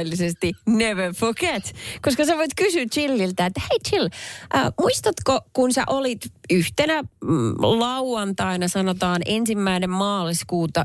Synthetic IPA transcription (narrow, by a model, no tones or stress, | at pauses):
lːisest̪ineʋefoket̪koskɑsæʋoit̪kysyːt̪t͡ʃilːilt̪æet̪ːæheit̪t͡ʃilʔə̰ːmuist̪ɑt̪kokunsæ̰ʔolit̪yht̪enæ | lɑuɑnt̪ɑinɑsɑnot̪ɑːnensimːæinemmɑːliskuːt̪ɑ